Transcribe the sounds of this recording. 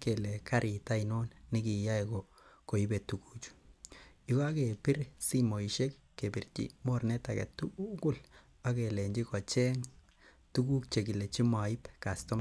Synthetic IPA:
ke˨le˨kʰa˦ɾʔi˨ta˦ino˦nːɪ˦ki˨ja˦iko˨ | ko˨ibe˨tu˨ku˦t͡ʃu̥ | ika˦ke˨pɪ˦ɾsi˦mo˨iʃe˦kːe˨pi˨rt͡ʃḭ˦mo˦ɾnɛ˦ta˨kɛ̰˨tːuku˦˨l | a˦ke˨le˨ɲd͡ʒi˦kɔ˨t͡ʃɛ˦ŋ | tu˦ku˦kt͡ʃe˨ki˨le˨t͡ʃi˦mwa˨i˦pka˨stɔ˦m

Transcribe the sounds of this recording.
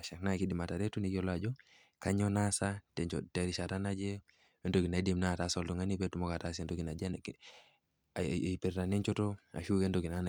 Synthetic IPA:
a˨ʃa˨kna˦ki˦di˨ma˨ta˨ɾe˦tu˦ni˨ko˦la˦d͡ʒɔ˦ | ka˦ɲo˦na˦sa˦te˨te˨ɾi˨ʃa˨ta˦na˦d͡ʒe˦ | e˦ndo˨ɡi˨na˨i˦di˨mna˦˨ta˨˦so˨ltu˨ŋa˦ni˦pe˦tu˨mo˦ka˨ta˦s̬e˨ndo˦kɡi˨na˨d͡ʒe˦˨ | pe˨ɾta˨ni˦ɲt͡ʃo˦to˦a̰˨ʃu˦ke˦ndo˨ɡi˨na˨˦na˨

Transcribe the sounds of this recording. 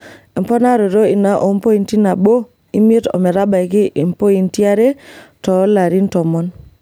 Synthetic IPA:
i˨m˨po˦na˦ɾo˨ɾo˦i˨na˦ʔo˨˦m˦po˦i˨nti˦na˨bo˦ | i˦me˦to̰˨me˨ɾa˦ba˨jki˦ʔi˨mpo˦i˨nti˦a˦ɾe˦to˨˦la˨ɾi˦nto˨mɔ˦n

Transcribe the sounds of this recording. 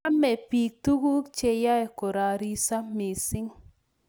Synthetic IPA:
a˦mɛ˨pi˨k̚t̪u˦ɡu˦kt͡ʃe˦˨ja˦e˨ko˨ɾa˨ɾi˦sa˦mi˨sɪ˦ŋ

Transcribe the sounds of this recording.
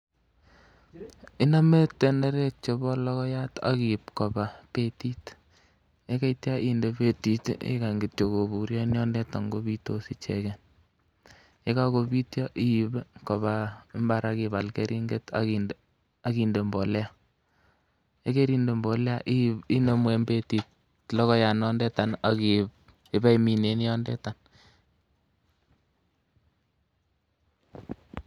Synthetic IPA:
i˦na˦me˦tːe˨ne˦ɾe˦t͡ʃo˨bɔ˦lɔ˦kɔ˦ja˦ta̰˦ki˨p̚ko˨ba˨pe˦ti˦t | e˦ke˦itja˦ʔi˦nde˨pe˦ti˦tḭ˦ka˨ŋɡi˨tjo˨ko˨bu˨ɾjɔ˦njɔ˦ndɛ˦ta˨ŋɡo˦bi˦to˦si˦t͡ʃe˨ken | e˦ka˦ko˨bi˦tjɔ˦ʔi˦i˨bko˨βa˨˦mba˨ɾaki˨βa˨lke˦ɾʔi˦ŋɡe˦ta̰ki | a˦ki˨nde˨mbɔ˨lɛ˦a˦ | e˦ke˦ɾi˦nde˨mbɔ˨lɛ˦a˦ʔi˦i˦ne˦mwe˨mbe˦ti˨t | lɔ˦kɔ˦ja˨nɔ˦ndɛ˦ta˨na˨ki˨ | e˦bɛ˦imi˨ne˨˦n˦jɔ˦ndɛ̰˦ta˨n

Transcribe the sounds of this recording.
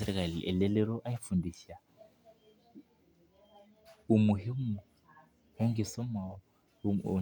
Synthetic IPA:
ɛ˨ɾɛ˦kʼa˨lɪ˨ʔɛ̰˨lɪ˦lɪ˦ɾɔ˦ʔa˦ɪ˦fu˨ndi˨sa˨ | ʊ˨mʊ˨he˦m̩˦ʊ˨ | hʊ˦ŋ̩˦ɡɪ˨sɔ˦ma˨ɔ̰˦˨

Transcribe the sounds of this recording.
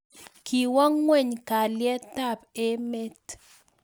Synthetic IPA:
ki˨wɔ˦ŋːwɛ˦˨ɲka˨ljɛ˦ta˦pe˦me˦t

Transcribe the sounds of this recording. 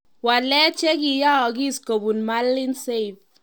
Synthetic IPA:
wa˨lɛ˦t͡ʃe˦ki˨ja˦ɔ˨ki˦sko˨bu˨nma˦lːɪ˦nse˦i˨θ

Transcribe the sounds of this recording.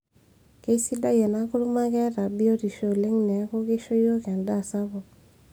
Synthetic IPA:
ke˦si˦da˦je˨na˦kʊ˦lu˦ma˦kɛ˦ɾa˨bi˦o˦ti˨ʃo˦˨le˦ŋnɛ˨˦ko˦ke˦ʃo˦jo˦kɛ˨nda˦˨sa˦βɔ˨

